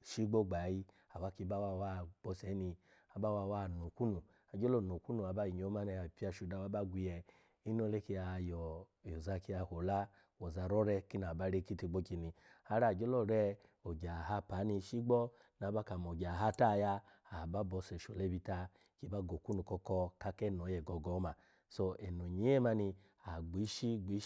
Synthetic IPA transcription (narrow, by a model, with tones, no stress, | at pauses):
ʃi˦ɡ͡bɔ˦˨ɡ͡ba˨ji˧ | a˨wa˦ki˧˦ba˦wa˧˨wa˦˨ɡ͡b̥ɔ˧˦sɛ˨˦ni˧ | a˨ba˦wa˧˨wa˦˨no˨ku˦nu˨ | a˨d͡ʒo˦lɔ˦˨no˨ku˦nu˨a˨ba˦ji˨ɲ˨o˨˦ma˦nɛ˧ja˨pi˦a˧˨ʃu˧da˧˨wa˨˦ba˦ɡʷi˧jɛ˧ | i˦n˦o˦le˦ki˧a˧jɔ˨ | jo˨za˧ki˧˦a˧˨ho˨la˦ | wɔ˨za˧ɾɔ˦ɾɛ˧ki˦n˨a˨ba˦ɾe˦ki˦ti˧ɡ͡bo˦ki˧ni˨ | ha˧˦ɾa˦˨d͡ʒo˦lɔ˦˨ɾɛ˧ | o˨ɡa˨ɦa˧˦pa˨˦ni˧ʃi˦ɡ͡bɔ˦ | na˨˦ba˦ka˨m˨o˨ɡa˨ɦa˦ta˦˨ja˦a˨ba˦bɔ˧˦sɛ˨ʃo˨lɛ˧˦bi˧ta˧ | ki˦ba˦ɡo˨ku˦nu˨kɔ˧kɔ˧ka˧kɛ˦˨nɔ˨˦jɛ˨ɡɔ˧ɡɔ˨˦ma˧ | so˧ɛ˨no˨ɲe˨˦ɛ˦ma˧ni˧ | a˨ɡ͡bi˨˦ʃi˦ɡ͡bi˨˦